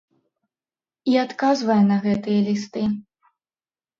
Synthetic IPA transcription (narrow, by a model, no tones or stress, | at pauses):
iat̪kazvɐjɛnɐɣɛt̪ɨjɐlʲist̪ɨ